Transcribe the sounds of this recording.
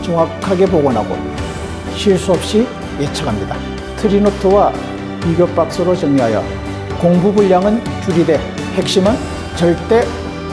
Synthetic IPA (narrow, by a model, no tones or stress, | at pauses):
t͡ɕʌŋakʰaɡe̞poɡʌnɦa̰ɡo̰ | ɕʰiɭs͈uʌp̚ɕ͈i | jet͡ɕʰaɡʰʱamɲid̪a̰ | tʰɯɾinotʰowa | piɡjop͈ak̚s͈ɯɾot͡ɕʌŋiɦajʌ̰ | koŋbubuʎːaŋɯnt͡ɕuɾide̞ | he̞k̚ɕ͈imɯn | t͡ɕʌɭt͈e̞